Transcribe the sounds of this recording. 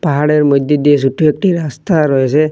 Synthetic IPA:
paɦaɽɛɹmɔjd̪ʱjod̪ijesuʈuek̚ʈiɾast̪aɾɔesɛ

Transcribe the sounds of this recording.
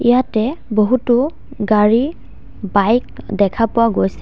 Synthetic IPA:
ijatɛboɦutʊ | ɡaɹi | bajk̚dɛkʰapʊwaɡojsɛ

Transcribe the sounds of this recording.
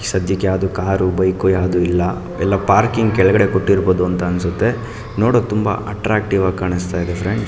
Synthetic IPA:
sɐd̪ʱjɐkːjaːd̪ukaːɾubɐjkujaːd̪uilːɐ | ɛlːɐpaːɾkiŋɡ̚kɛɭɐɡɐɽe̞koʈːiɾboːd̪uɐnt̪ɐːnsut̪ːe̞ | noːɽok̚t̪umbɐ̰ɐʈɾaːk̚ʈiʋaːɡ̚kaːɳist̪aːid̪efʰɾeɳɖ

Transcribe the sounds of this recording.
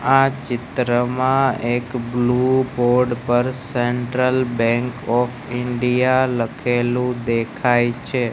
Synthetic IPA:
at͡ʃɪt̪ɾəmãekbluboɾɖpəɾseɳʈɾəlbɛ̃ŋkɔfʰɪɳɖijaləkʰelũd̪ekʰajt͡ʃʰe

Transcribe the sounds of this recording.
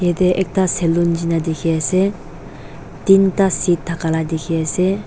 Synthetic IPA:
jed̪eʔɛk̚t̪aselːund͡ʒinad̪ekʰiase | t̪int̪asit̪̚ʰːakalad̪ekʰiase

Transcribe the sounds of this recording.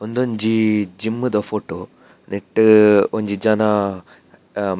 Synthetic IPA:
ond̪oɲd͡ʒid͡ʒimːɨd̪ɐfoːʈo | neʈːoɲd͡ʒid͡ʒaːna

